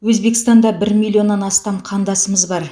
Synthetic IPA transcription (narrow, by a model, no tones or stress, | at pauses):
wɵzbe̞kɪst̪ɑnd̪ɑbɪɾmilʲːio̞nːɑnɑst̪ɑmqʰɑnd̪ɑsəməzbɑɾ